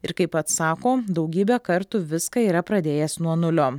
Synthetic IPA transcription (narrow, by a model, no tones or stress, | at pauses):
ɪɾkɐɪpɐt̪sɑːkoːd̪ɐʊɡʲiːbʲɛkɐɾt̪ʊʋʲɪskɐiːɾɐpɾɐd̪ʲeːjɛsnuɔnʊlʲoː